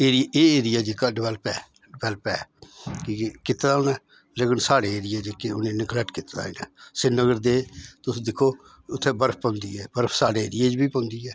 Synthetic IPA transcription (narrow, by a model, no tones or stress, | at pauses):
eːɾɪjeːeːɾɪjaːd͡ʒekaːɖɪʋɛːləpɛː | ɖɪbɛːləpɛːkiːkɪt̪d̪aːʊnɛː | leːkənsaːɽeːeːɾɪjeːd͡ʒekːeʊnẽːnɪklɛʈkɪt̪d̪a̰ːɪnɛ̰ːsɪnəɡəɾd̪eːt̪ʊsd̪ɪkʰoː | ʊt̪ʰːeːbəɾpʰpɔ̃ːnd̪iːɛːbəɾpʰsaːɽeːeːɾɪjeːd͡ʒbiːpõːnd̪iːɛː